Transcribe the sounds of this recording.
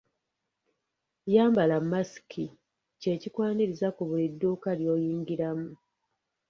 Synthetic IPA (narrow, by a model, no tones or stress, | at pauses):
jaːmbalamːasi̥kʰi | ce̞ːcikwaːniɾizakuβulidːuːkaljo̞ːjiːŋɡiɾamu